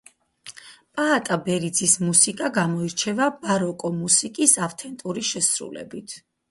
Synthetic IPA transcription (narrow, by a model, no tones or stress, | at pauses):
pʼaːt̪ʼabɛɾid̪zismusikʼaɡamɔiɾt͡ʃʰɛvabaɾɔkʼɔmusikʼisaft̪ʰɛnt̪ʼuɾiʃɛsɾṵlɛ̰bit̪ʰ